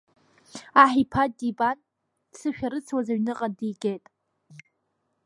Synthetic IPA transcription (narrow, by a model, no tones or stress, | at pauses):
aħipʰadiban̥ | sɨʃᶣaɾɨt͡sʰwazaɥnɨqʼadijɡʲejtʼ